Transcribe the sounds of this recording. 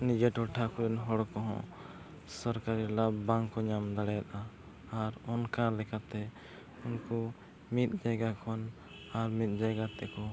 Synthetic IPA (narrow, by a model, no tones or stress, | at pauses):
nid͡ʒɛʈɔʈʰakɔɾɛnɦɔɽkɔɦɔ̰̃ | sɔɾkaɾilabaŋkɔɲamd̪aɽajat̪aː | ɾɔnkalɛkʰat̪ɛ | unkɔ | mit̪̚ˀd͡ʒaɡakʰɔn | aɾmit̪̚ˀd͡ʒajɡat̪ɛkɔ